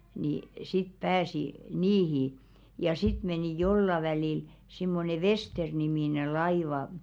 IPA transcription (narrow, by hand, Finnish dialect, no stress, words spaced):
ni sit pæːsi niːhi jɑ sit meniˑ jolːɑ ʋæliˑl simːone ʋesternimiˑne lɑiʋɑ